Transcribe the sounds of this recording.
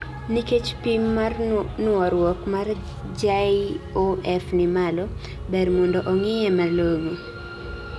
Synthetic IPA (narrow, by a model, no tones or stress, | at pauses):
niket͡ʃpimːarnʊɔɾwɔkmar | d͡ʒaioɛfnɪmalɔ | bɛɾmɔndɔʔɔŋɪjɛmaloɡi